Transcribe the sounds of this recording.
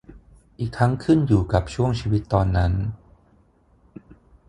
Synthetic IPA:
ʔiː˨˩k̚t̪ʰːa˦˥ŋkʰɯ˥˩njuː˨˩ka˨˩p̚t͡ɕʰu˥˩əŋt͡ɕʰiː˧wi˦˥t̪ːɔː˧nːa˦˥n

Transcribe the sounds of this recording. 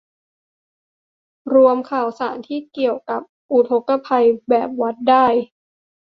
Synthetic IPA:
ɾu˧əmkʰaː˨˩˦wsaː˩˦nt̪ʰiː˥˩ki˨˩əwka˨˩p̚ʔu˨˩t̪ʰo˧˦˥kːa˧pʰa˧jbɛː˨˩p̚wa˦˥t̪̚daː˥˩j

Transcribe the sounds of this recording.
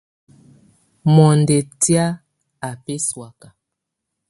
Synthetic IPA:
mɔ˨nde˨tja˦ | a˨pe˦swa˨ka˨

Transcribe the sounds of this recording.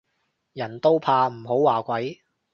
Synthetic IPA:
jɐ˨˩nt̪o˥wpʰaː˧m̩˨˩ɦo˨˥wːaː˨˩kʷɐ˨˥j

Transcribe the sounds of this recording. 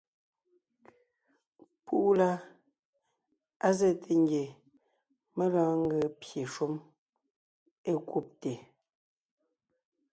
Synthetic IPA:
pʰu˦ʔla˦ | a˦zɛ˦˨tʰe˨ŋɡje˨ | me˦lɔ̃ː˦ŋ̩˦ɡə˨pje˨ʃu˦m | e˦ku˦˨p̚te˨

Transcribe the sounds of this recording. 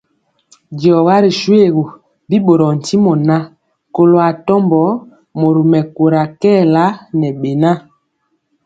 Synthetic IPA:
djɔ˨ɣa˦ɾi˨ʃwe˦˨ɣo˨ | bi˦ɓo˨ɾɔ˨n̩˨ti˦mɔ˨na˦ | ko˨lo˨a˨tɔ˦mbɔ˨˦ | mo˨ɾu˨mɛ˨ko˨ɾa˨kɛː˦˨la˦nɛ˨ɓe˨na˦

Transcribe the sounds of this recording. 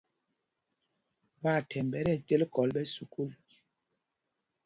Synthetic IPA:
ba˦˨tʰɛ˨mbɛ˨˦ɾɛ˦˨te˦lkɔ˨˦lɓɛ˦su˨ku˦˨l

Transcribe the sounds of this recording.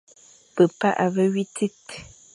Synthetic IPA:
pə˨pa̰˦ʔa˨βə˦ɥi˦ti˦t

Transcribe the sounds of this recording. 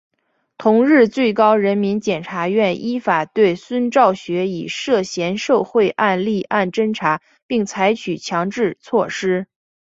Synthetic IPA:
t̪ʰʊ˧˥ŋɻɻ̩˥˧t͡swe˥˩ɪkɑ˥ʊɻə˧˥nmi˧˥nt͡ɕjɛ˨˩nʈ͡ʂʰa˧˥ɥɛ˥˩nʔi˥fa˨˩t̪we˥˩ɪswə˥nʈ͡ʂɑ˥˩ʊɕɥɛ˧˥i˨˩ʂɤ˥˩ɕjɛ˧˥nʂo˥˧ʊxwe˥˧ɪʔa˥˧nli˥˧ʔa˥˩nʈ͡ʂə˥ŋʈ͡ʂʰa˧˥ | pi˥˩ŋt͡sʰa˧˥ɪt͡ɕʰy˨˩t͡ɕʰjɑ˧˥ŋʈ͡ʂɻ̩˥˧t͡sʰwɔ˥˩ʂɻ̩˥

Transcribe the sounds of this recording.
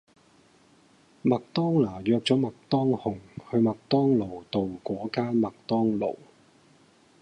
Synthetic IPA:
mɐ˨k̚t̪ɔː˥ŋlaː˨˩jœː˧k̚t͡sɔː˨˥mɐ˨k̚t̪ɔː˥ŋhʊ˨˩ŋhɵ˧ɥmɐ˨k̚t̪ɔː˥ŋlo˨˩wt̪o˨wkʷɔː˨˥kaː˥nmɐ˨k̚t̪ɔː˥ŋlo̰˨˩w

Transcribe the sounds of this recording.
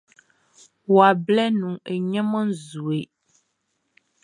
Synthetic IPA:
wa˨blɛ˦nũ˨e˨ɲɛ̃˦mə̃˦n˦zu˨e˨

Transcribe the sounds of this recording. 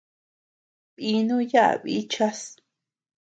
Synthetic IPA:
βi˧˦nũ˦ja˦ʔa̰˨βi˦t͡ʃa˦s

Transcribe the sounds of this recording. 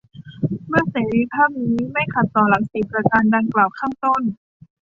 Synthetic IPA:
mɯ˥˩ɐseː˩˦ɾiː˧pʰaː˥˩p̚niː˦˥ma˥˩jkʰa˨˩t̪ːɔː˨˩la˩˦ŋsi˨˩p̚ɾa˧kaː˧nda˧ŋklaː˨˩wkʰaː˥˩ŋt̪o˥˩n

